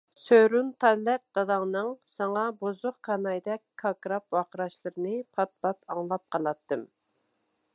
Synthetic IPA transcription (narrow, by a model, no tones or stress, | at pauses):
søɾunt̪ʰɑlːɛt̪̚d̪ɑd̪ɑŋnɨŋsɑŋɑbozʊqkʰɑnɑjd̪ɛkʲkʰɑkɾɑp̚wɑqəɾɑʃlˠɨɾɨnɨpʰɑt̪̚pɑt̪ɑŋlˠɑp̚qʰɑlˠɑt̪ːɨm